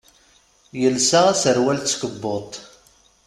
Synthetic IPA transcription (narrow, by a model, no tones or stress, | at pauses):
jəlsaʁæsəɾwælt͡sːkəbːot̪ˤ